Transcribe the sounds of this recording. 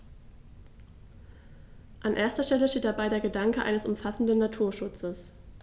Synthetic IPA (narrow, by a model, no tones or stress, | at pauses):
ʔanʔeːɐstɐʃtɛləʃteːtd̥abaɪɾeːɐɡədaŋkəʔa̰ɪnəsʊmfasn̩dənːatʰuːɐʃʊt͡səs